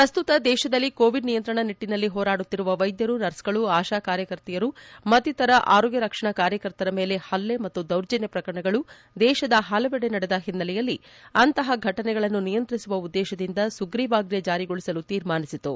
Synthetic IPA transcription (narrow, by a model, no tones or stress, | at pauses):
pɾɐst̪ut̪ɐd̪ɛːʃɐd̪ɐlːikoːʋiɖnijɐnt̪ɾɐɳɐniʈːinɐlːiɦɔːɾaːɽut̪ːiɾuʋɐʋɐjd̪jɐɾunɐɾsɡɐɭuaːʃaːkaːɾjɐkɐɾt̪ijɐɾumɐt̪it̪ɐɾɐʔa̰ːɾoːɡjɐɾɐkʂɐɳɐkaːɾjɐkɐɾt̪ɐɾɐmeːle̞hɐlːe̞mɐt̪ːud̪ɐwɾd͡ʒɐnjɐpɾɐkɐɾɐɳɐɡɐɭu | d̪ɛːʃɐd̪ɐɦaːlɐʋɛɽenɐɽɛd̪ɐɦinːɐlɛjɐlːiɐnt̪ɐɦɐɡʱɐʈɐnɛɡɐɭɐnːunijɐnt̪ɾisuʋɐud̪ːɛːʃɐd̪ind̪ɐsuɡɾiːʋaːɡɾjɐd͡ʒaːɾiɡoɭisɐlut̪iːɾmaːnisit̪u